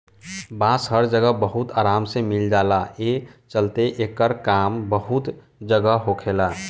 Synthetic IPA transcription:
bãːsɦəɾd͡ʒəɡəbəɦut̪aːɾaːmsemɪld͡ʒaːlaet͡ʃəlt̪eʔeːkəɾkaːmbəɦʊt̪ | d͡ʒəɡəɦokʰeːlaː

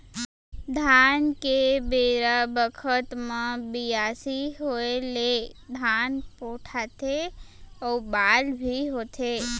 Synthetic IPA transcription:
d̪ʱankebeɾəbəkʰət̪mãbijasiɦoeled̪ʱanpoʈʰat̪ʰe | əwbalbʱiɦot̪ʰe

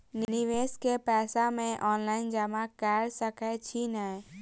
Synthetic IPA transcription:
nnɪʋeːskepɛːsamẽʔɔːnlaːɪnd͡ʒəmakɛːɾsəkɛt͡ʃʰinɛ

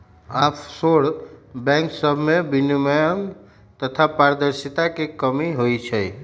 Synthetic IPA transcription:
apʰsoɽbɛ̃ŋksəbʱmebiniməjəm | t̪ət̪ʰapaɾd̪əɾsit̪akekəmiɦojt͡ʃʰəj

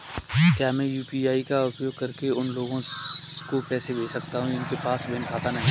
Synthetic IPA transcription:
kjaːmɛ̃juːpiaːikaʊpjoːɡ̚kɐɾkeʊnloːɡõkopɛːsebeːsɐkt̪aɦũɪnkepaːsbɪnkʰaːt̪anɐɦĩ

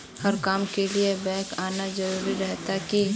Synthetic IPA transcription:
hɐɾkaːmkeliebɛ̃ːkaːnad͡ʒɐɾuːɾiɾɛɦt̪aki

